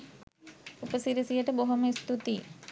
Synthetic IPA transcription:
upəsiɾisijɐʈeboɦomest̪ut̪i

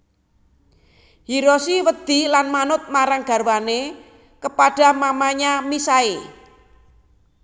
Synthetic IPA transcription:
hiɾosiwəd̪̥i̤lanmanʊt̪̚maɾaŋɡ̥a̤ɾwane | kəpaɖ̥a̤mamaɲamisae

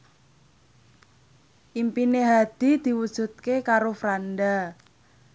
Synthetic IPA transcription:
ʔimpineɦad̪̥i̤d̪̥i̤wud̥ʒ̥ṳt̪̚kekaɾofɾanɖa

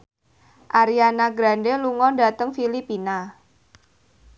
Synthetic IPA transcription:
ʔaɾianaɡɾandeluŋɔnda̤t̪əŋfilipina

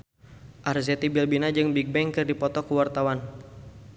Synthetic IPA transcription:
ʔarzɛt̪ibilbinad͡ʒɨŋbiɡ̚bɛŋkɨrdipɔt̪ɔkuwart̪awan

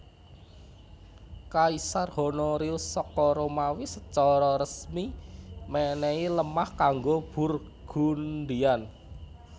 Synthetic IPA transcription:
kaisarhonoɾiusɔkɔɾomawisət͡ʃɔɾɔɾəsmimɛnɛiləmahkaŋɡob̥ṳr | ɡ̥ṳnɖian

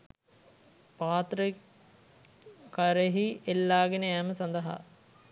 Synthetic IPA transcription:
paːt̪ɾə | kaɾeɦielːaːɡenəæːməsɐnd̪əɦa̰

